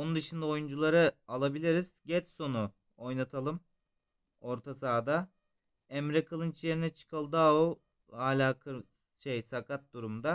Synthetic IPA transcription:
o̞nund̪ɯʃɯnd̪ao̞jund͡ʒulˠaɾɯalˠabilʲiɾiz̥ɟɛt͡ʃso̞nu | o̞jnat̪ʰalˠɯm | o̞ɾt̪ʰasaːd̪a | ɛmɾɛkʰɯlˠɯnt͡ʃʰje̞ɾinɛt͡ʃʰɯ̥kʰalˠd̪ao | haːlʲaːkʰɯ | ʃejsakʰat̪̚d̪uɾumd̪a

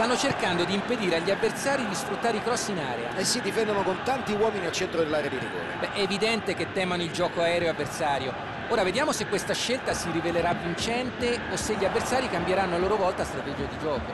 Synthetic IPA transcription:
st̪anːot͡ʃerkand̪od̪iːmped̪iːɾeaʎːiavːert̪saːɾid̪isfɾut̪ːaːɾeikɾɔsːina̰ːɾḛa̰esːid̪ifɛnd̪onokont̪ant̪iwɔːminiat͡ʃɛnt̪ɾod̪elːaɾead̪iɾḭɡo̰ːlḛbɛʔɛːvid̪ɛnt̪eket̪ːɛːmanoild͡ʒɔːkoaɛːɾeoavːersaːɾjo | oːɾaved̪jaːmosekːwest̪aʃːelt̪asiɾiveleɾavːint͡ʃɛnt̪eoseʎːiavːert̪saːɾikambjeɾanːoalːoːɾovɔlt̪ast̪ɾat̪ɛd͡ʒiad̪id͡ʒɔːko

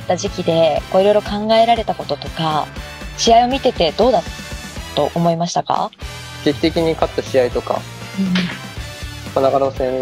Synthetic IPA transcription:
t̪ːaʑikʲid̪e̞ko̞ːiɾo̞jɾo̞kãŋɡae̞ɾaɾe̞t̪ako̞t̪o̞t̪o̞ka | ɕiaio̞mʲit̪e̞t̪e̞d̪̥o̞ːd̪a | t̪o̞ʔomo̞imaɕi̥t̪aka̰ | ɡ̥e̞kʲi̥t̪e̞kʲiɲ̟ikat̪ːaɕiait̪o̞ka̰ | ɯ̃ | manaɡaɾosẽ

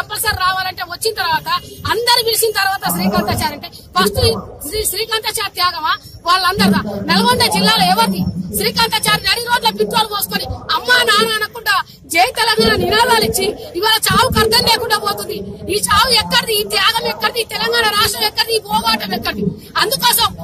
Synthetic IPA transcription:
kɐmpɐlsɐɾːaːʋaːlɐɳʈe̞ːʋɐt͡ʃːinɐt̪ɐɾʋaːt̪ɐːnd̪ɐɾibilisint̪ɐɾʋaːt̪ɐʃɾiːkɐnt̪ɐt͡ʃaːɾɐɳʈeː | bɐst̪uɾiʃɾiːkɐnt̪ɐt͡ʃaːɾt̪jaːɡɐmaːʋaːɭːɐnd̪ɐɾud̪aːnɐlɐɡond̪ɐd͡ʒilːaːlɐɛːʋɐt̪iʃɾiːkɐnt̪ɐt͡ʃaːɾnɐɽiɾoːd͡ʒulɐpiʈɾoːlumoːsukoːniɐmːaːnaːnaɐnɐkuɳɖaː | d͡ʒeːjit̪ɛlɐŋɡaːnɐninaːbaːlit͡ʃːiiʋaːlɐt͡ʃaːwukɐɾt̪ɐnle̞ːkuɳɖɐboːt̪und̪iiːt͡ʃaːwuɛkːɐɽɐd̪iːt̪jaːɡɐmɛkːɐɽɐd̪iːt̪ɛlɐŋɡaːɳɐɾaːʂʈɾɐmɛkːɐɽɐd̪ipɔːɡaːʈɐmɛkːɐɽd̪i | ɐnd̪ukɔːsɐm

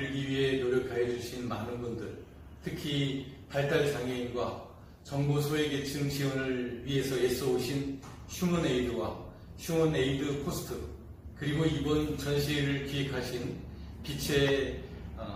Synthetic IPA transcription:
ɭɡiɥiɦe̞noɾjʌkʰajʌd͡ʑuɕʰinma̰nɯnbundɯɭ | tʰɯkʰipaɭt͈aɭt͡ɕaŋjʌinɡwa | t͡ɕʌŋbosʰoeɡet͡ɕʰɯŋt͡ɕiwʌnɯɭɥiɦe̞sʰʌjes͈ʌoɕʰin | ɕʰumʌneidɯwa̰ | ɕʰuŋʌne̞idɯkʰosʰɯ̥tʰɯ | kɯɾiɡoibʌnt͡ɕʌnɕʰiɾɯɭkiɦekʰaɕʰin | pit͡ɕʰe̞

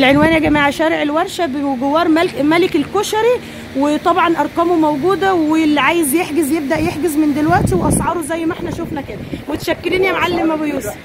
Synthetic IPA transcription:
lʕenwæːnæɡæmaːʕæʃæːɾeʕelwæɾˤʃæbeɡowːɑːɾˤmæmælekelkoʃɑɾi | wet̪ˤɑbʕɑnʔɑɾˤqɑːmomæwɡuːd̪æwelːʕaːjezjeħɡezjeb̚d̪æʔjeħɡezmend̪elwæʔt̪iweʔɑsˤʕɑːɾˤozæjːmæʔeħnæʃofnækæːdæmot̪æ̥ʃækːeɾiːnjæmʕalːemæbejuːs

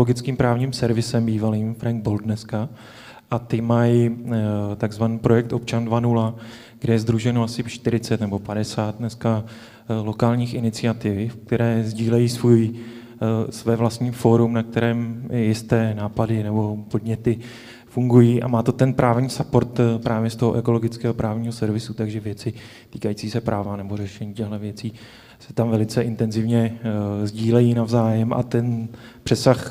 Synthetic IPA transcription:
loɡɪt͡skiːmpɾaːvɲiːmsɛɾvɪsɛmbiːvaliːmfɾaŋɡ̚bold̪nɛska | ʔat̪ɪmaj | t̪aɡzvaniːpɾo̞jɛk̚t̪ʔo̞p̚t͡ʃandvanula | ɡ̥dɛjɛzd̪ɾuʒɛnoasɪʃt̪ɪɾɪt͡sɛt̪nɛbo̞padɛsaːt̪̚nɛska | lo̞kaːlɲiːxɪnɪt͡sɪat̪ɪvfk̚t̪ɛɾɛːzɟiːlɛjiːsvuːj | svɛːvlast̪ɲiːfo̞ɾumnak̚t̪ɛɾɛːmjɪst̪ɛːnaːpadɪnɛbo̞po̞dɲɛt̪ɪ | fuŋɡujiːʔa̰maːt̪o̞t̪ɛnpɾʔaːvɲiːsapo̞ɾt̪pɾʔaːvjɛst̪o̞ɦoʔɛko̞loɡɪt͡skɛːɦo̞pɾaːvɲiːɦosɛɾvɪsut̪aɡʒɛvjɛt͡sɪ | t̪iːkajit͡siːsɛpɾʔaːvanɛbo̞r̝ɛʃɛɲiːcɛɣlɛvjɛt͡siː | sɛ̥t̪amvɛlɪt͡sɛʔɪnt̪ɛnzɪvɲɛzɟiːlɛjiːnavzaːjɛmʔa̰t̪ɛn | pr̝̥ɛsax

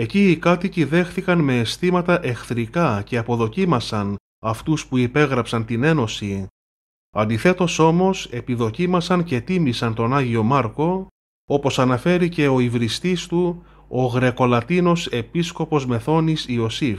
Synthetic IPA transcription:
e̞ciːkɐt̪iciðe̞xθikɐnme̞ːst̪imɐt̪ɐʔe̞xθɾikɐce̞ɐpo̞ðo̞cimɐsɐn | ɐft̪uspuipe̞ɣɾɐpsɐnt̪ine̞no̞si | ɐnd̪iθe̞t̪o̞so̞mo̞se̞piðo̞cimɐsɐnce̞t̪imisɐnt̪o̞nɐʝio̞mɐɾko̞ | o̞po̞sɐnɐfe̞ɾice̞o̞ivɾist̪ist̪u | o̞ɣɾe̞ko̞lɐt̪ino̞se̞pisko̞po̞zme̞θo̞nisio̞sif

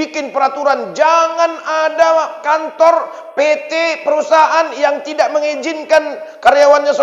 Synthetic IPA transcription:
ikɪnpəɾat̪uɾand͡ʒaŋanadakant̪ɔr | pet̪epəɾusaʔanjaŋt̪idaʔ̚məŋid͡ʒɪnkankaɾjawanɲasə

